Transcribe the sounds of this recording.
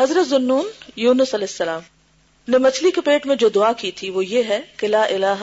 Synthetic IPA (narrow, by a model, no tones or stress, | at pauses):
ɦɐzɾət̪zʊnːuːnjuːnʊsɐlɛːɦɪsːɐlaːm | nẽmɐt͡ʃʰlikepeːʈmẽd͡ʒoːd̪ʊaːkit̪ʰiʋojeɦɛkɪlaːʔɪlaːɦ